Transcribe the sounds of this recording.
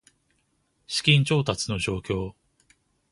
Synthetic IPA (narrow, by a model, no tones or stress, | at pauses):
ɕi̥kʲĩɲ̟t͡ɕo̞ːt̪at͡sɨno̞ʑo̞ːkʲo̞ː